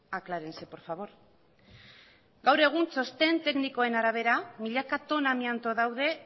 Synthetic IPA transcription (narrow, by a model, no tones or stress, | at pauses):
aklaɾense̞po̞ɾfaβ̞o̞ɾ | ɡawɾe̞ɣ̞unso̞st̪e̞nt̪e̞kniko̞e̞naɾaβ̞e̞ɾamiʎakat̪o̞namiant̪o̞ðawðe̞